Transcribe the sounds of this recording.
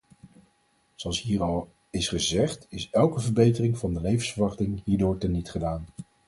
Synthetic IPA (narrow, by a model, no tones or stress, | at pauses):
z̥oɑlˠsɦiːrɑlˠ | ɪsχəzɛχtɪsɛlˠkəvəɹbejtərɪŋvɑndəlejvənsfəɹʋɑχtɪŋɦiːɹdʊːɹtɛnːitχədaːn